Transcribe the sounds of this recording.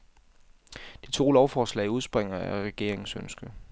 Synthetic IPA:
d̥it͡sʰo̝̰ːlɒʊfɒːslɛ̰ɪuð̞ˠsb̥ʁeŋ̰ɐæʁɛɡ̥e̝ɐ̰e̝ŋ̩sønsɡ̥ə

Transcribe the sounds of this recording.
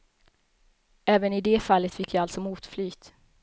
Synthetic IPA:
ɛːvənɪd̪eːfalːət̪fɪkːjɑːalt̪sɔmuːt̪flyːt̪

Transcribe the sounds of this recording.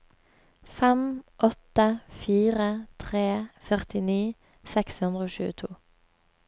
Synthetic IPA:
fɛmʔɔt̪əfiːʁət̪ʰʁeːfœʁt̪ɪniː | sɛkshʉnd̪ʁəoːʃʉ̰ːət̪ʰuː

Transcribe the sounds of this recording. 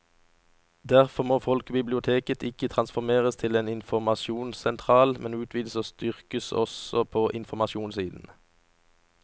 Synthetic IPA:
d̪æʁfɔʁmoːfɔlkəbɪblɪʊt̪ʰeːkət̪ʰɪkət̪ʰʁɑnsfɔʁmeːʁəst̪ʰɪleːnɪnfɔmɑʃuːnsɛnt̪ʰʁɑːlmɛnʉːt̪ʰʋiːd̪əsoːst̪ʏʁkəsɔ̰sɔpʰoːʔɪnfɔmɑʃuːnsiːd̪n̩

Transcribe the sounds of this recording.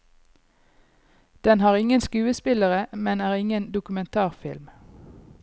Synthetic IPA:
d̪̥ɛnhɑːʁɪŋənskʉːəspɪləʁəmɛnæːʁɪŋənd̪ʊkʉmɛnt̪ʰɑːʁfɪ̰lm

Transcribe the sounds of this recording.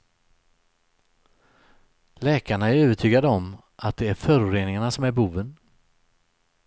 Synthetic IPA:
lɛːkʰaɳaæɾøːvəʈʰyːɡad̪əɔm | ʔat̪̚d̪ɛæɾfœːɾʊɾeːnɪŋaɳasɔmæɾbuːvən

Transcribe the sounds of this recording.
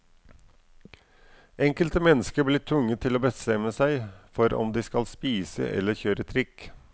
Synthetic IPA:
ʔɛŋkəlt̪əmɛnːəskəɾblɪːʈ̪ʰʋʊŋːət̪ʰɪloːbəst̪ɛmːəsæɪfɔɾɔ̰md̪ɪskɑlspiːsə̰ʔɛ̰lːəɾçøːɾət̪ʰɾɪk

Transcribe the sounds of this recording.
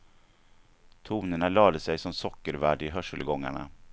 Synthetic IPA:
t̪ʰuːnəɳalɑːd̪əsɛjsɔmsɔkːəɾvæːɖɪɦœʂəlɡɔŋːa̰ɳa̰

